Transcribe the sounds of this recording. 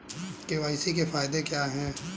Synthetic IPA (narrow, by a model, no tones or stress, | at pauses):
keʋaːɪsikefaːɪd̪ekjaːɦɛ̃ː